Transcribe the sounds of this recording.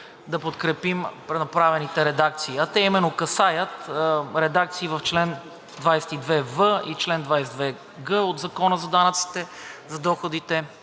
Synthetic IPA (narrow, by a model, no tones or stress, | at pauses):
d̪ɐpot̪kɾɛpimpɾɛnɐpɾavɛnit̪ɛɾɛd̪ak̚t̪siːɐt̪ɛimɛnːokɐsajət̪ɾɛd̪ak̚t̪siːvɐft͡ʃlɛn | d̪vajsɛ̥t̪id̪vɛvəit͡ʃlɛnd̪vajsɛt̪d̪vɛ | ɡəod̪zɐkɔnəzɐd̪anət̪si̥t̪ɛzɐd̪ɔxod̪it̪ɛ